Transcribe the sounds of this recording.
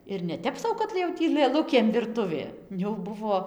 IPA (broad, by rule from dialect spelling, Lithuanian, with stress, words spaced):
ɪr nʲɛˈtʲɛp sɐʊ kɐt jɛʊ ˈtʲiː lˠɘˈlˠʊkʲeːm ʋʲɪrˈtʊʋʲeː jɛʊ ˈbʊʋoː